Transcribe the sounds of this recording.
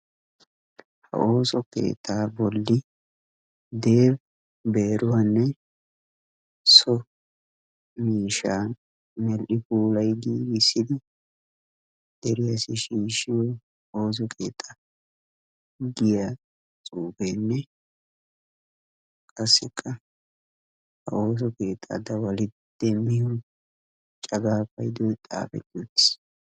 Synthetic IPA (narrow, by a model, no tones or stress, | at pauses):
hɐ̰ʔo̞ːsɔkḛːt̪ʼʰːaːbɔlːɪ | d̪e̞ːb | beːɾʊwanːɛ | sɔ | miːʃaːn | mɛlʔɪpuːlɐjɡiːɡɪsːɪd̪ɪ | d̪̥ɛɾɪjɐsɪʃiːʃɪwɔ | oːs̬ɔkʰe̞̰ːt̪ʼːɐ | ɡɪja | t͡sʼuːbɛnːɛ | kʼɐsːɪkʼːɐ | hɐ̰oːs̬ɔke̞ːt̪ʼːa̰d̪ɐwɐlɪ | d̪̥ɛmːɪjʊ | t͡ʃʼɐɡaːfɐjd̪ɔt̪ʼa̰ːfɛ̰t̪ːud̪ɪs